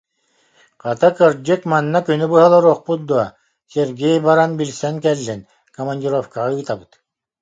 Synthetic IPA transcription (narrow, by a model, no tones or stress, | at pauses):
qɑt̪akɯɾd͡ʑɛkmanːakynybɯɦalˠɔɾuɔχput̪̚d̪uɔ | sʲeɾɡʲɛjbaɾanbilsɛŋkɛlːin | kɔmanʲdʲiɾɔfkaʁaɯːt̪abɯt̪